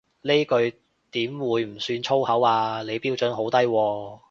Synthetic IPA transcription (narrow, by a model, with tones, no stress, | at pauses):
ne˥kɵ˧ɥ | t̪iː˨˥mwuː˨˧jm̩˨˩syː˧nt͡ʃʰo˥whɐ˨˥waː˧le˨˧jpiː˥wt͡ʃɵ˨˥nɦo˨˥wt̪ɐ˥jwɔː˧